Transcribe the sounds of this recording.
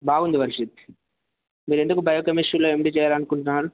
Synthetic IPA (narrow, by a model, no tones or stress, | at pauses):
baːɡund̪iʋɐɾiʂit̪ | miːɾe̞nd̪ukubʱɐjɐkɐmiʂuɾloːemʈit͡ʃɛːjaːlɐnukuɳʈunaːɾu